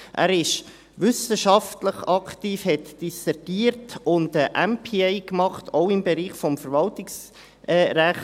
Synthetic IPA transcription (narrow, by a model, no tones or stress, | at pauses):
ʔæ̰ːɾɪʃ | ʋʏsəʃɑftləχɑktiːfhɛtd̥isɛɾɡ̥iːɾtʊndəʔæmpʰiːɛɪkmɑχtʰoʊɪmbeɾiːχfɔmfəɾʋɑltɪks | ɛɾæχ